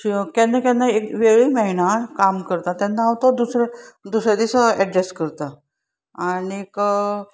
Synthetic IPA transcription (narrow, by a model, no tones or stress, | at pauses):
kɛnːakanːaekʋeɭiməinakamkəɾt̪at̪anːaːʋt̪od̪usɾed̪usɾjed̪isəɛɖɾeskəɾt̪a | aɽik